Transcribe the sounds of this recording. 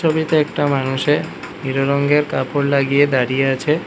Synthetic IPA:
obit̪eɛkʈamanuʃe | niɾoɾɔŋɡeɾkapoɽlaɡijed̪aɾijeat͡ɕʰe

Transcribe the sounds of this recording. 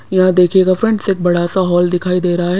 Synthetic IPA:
jɐɦãd̪eːkʰeːɡafɾɛ̃ɳɖseːk̚bɐɽasaɦɔːld̪ɪkʰaːid̪eːɾɐɦaɦɛ

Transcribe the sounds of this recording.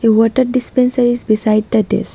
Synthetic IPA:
eʋɔʈəɾɖispẽnsəɾizbisaɪɖ̚d̪əɖḛs

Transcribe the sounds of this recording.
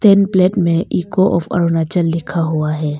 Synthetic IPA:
t̪ɛːnplɛːʈmẽʔiːkoʔɔ̰ːfɐ̰ɾoːnat͡ʃəlːɪkʰaɦuaɦɛː

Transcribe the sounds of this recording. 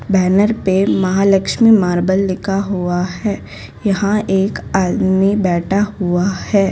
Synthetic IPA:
bɛːnəɾpemɐɦaːləkʃmimaːɾbəlːɪkʰaɦuaɦɛː | jɐɦãeːkaːd̪mibɛːʈʰaɦuahɛː

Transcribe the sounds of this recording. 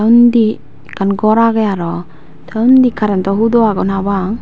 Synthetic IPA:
taund̪i | kanɡɔɾaɡəjaɾɔ | tʰaund̪ikʰaɾɛnt̪ɔɦud̪ɔaɡɔnabaŋ

